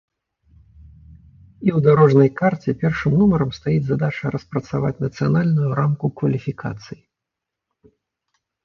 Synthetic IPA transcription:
iwd̪aɾɔʐnɐjkart͡sʲɛpʲɛrʂɨmnumɐɾɐmst̪ajid͡zʲzad̪at͡ʂɐɾɐspɾɐt̪sava̰t͡sʲnɐt̪sɨjanalʲnujuɾamkukvɐlʲifʲika̰t̪sɨji

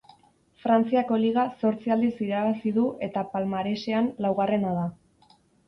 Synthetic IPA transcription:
fɾant͡siako̞liɣ̞aso̞ɾt͡siald̪isiɾaβasiðuʔe̞t̪apalmaɾe̞ʃe̞anlawɣare̞nað̞a

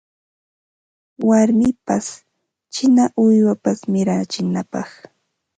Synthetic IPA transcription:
waɾmɪpas | t͡ʃɪnaʔʊjwapasmɪɾat͡ʃɪnapɑχ

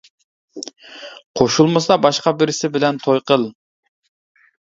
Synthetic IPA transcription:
qʰoʃulˠmɨsɑbɑʃqɑbɪɾɪsɪbɪlɛnt̪ʰojqʰəlˠ

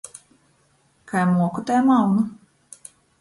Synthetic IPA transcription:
kajmuɔkut̪ɛːmawnu

